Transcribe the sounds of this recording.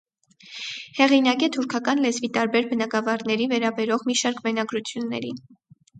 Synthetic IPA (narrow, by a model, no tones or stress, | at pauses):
hɛʁinɑkɛt̪ʰuɾkʰɑkɑnlɛzvit̪ɑɾbɛɾbənɑɡɑvɑɾnɛɾivɛɾɑbɛɾɔʁmiʃɑɾkbɛnɑɡɾut͡sʰjunːɛ̰ɾin